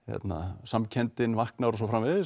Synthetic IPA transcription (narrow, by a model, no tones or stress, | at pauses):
jɛ̰t̪na̰samcʰɛnt̪ɪnvahknaɾɔs̬ɔfɾamvɪðɪ